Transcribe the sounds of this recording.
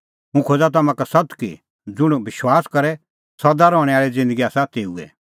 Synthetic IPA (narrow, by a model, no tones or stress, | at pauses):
ɦũkʰoːd͡zat̪̬ɐmãkasɐt̪kḭ | d͡zʊɽ̃bɪʃwaːskɐɾɛ | sɐd̪aɾɔːɽ̃ɛaːɭɛd͡zɪ̃nd̪əɡiaːsat̪eːuɛ̰